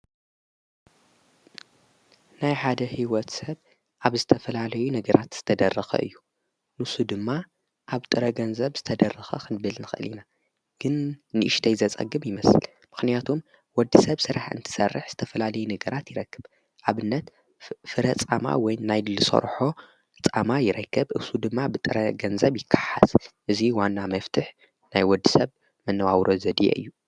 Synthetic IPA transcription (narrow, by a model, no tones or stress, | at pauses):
najħad̪ɐhiwɔt̪sɐβ | ʔaβzɨt̪ʰɐfɐlalɐjunɐɡɐɾat̪z̥ɨ̥t̪ʰɐd̪ɐrːɐxɐ̰ʔɨ̰jːu | nɨsud̪ɨmːa | ʔaβt̪ʼɨɾɐɡɐnzɐβz̥ɨt̪ʰɐd̪ɐrːɐxɐ̰xʰɨnbɨlnɨxɨ̰lina | ɡ̥ɨnːɨʔɨʃt̪ʰɐjzɐt͡sʼɐ̰ɡɨmjɪmɐsɨl | mɨxnijat̪ʰom | wɔd̪ːisɐβsɨɾaħɨ̰nt̪ʰɨ̥sɐrːɨħz̥ɨt̪ʰɐfɐlalɐjunɐɡɐɾʔat̪jɪɾɐkːɨb | ʔaβɨnːɐt̪ | fɨɾɐt͡sʼama̰wɔjnajlɨlɨso̰ɾħo̞ | ɨt͡sʼamajɪɾɐkːɐbʔɨsud̪ɨmːabɨt̪ʼɨɾɐ̰ɡɐnzɐβjɪkʰːḁħa̰z̥ʔɨziwanːamɐft̪ʰɨħ | najwɔd̪ːisɐβ | mɨnːɐwawɾʔozɐd̪ijḛʔɨ̰jːu